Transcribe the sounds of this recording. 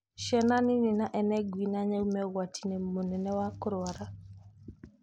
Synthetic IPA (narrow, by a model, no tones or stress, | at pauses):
ʃɛnanininaʔɛnɛɡwinaɲɛumɛɣwatʰinɛmonɛnɛwakʊɾowaɾa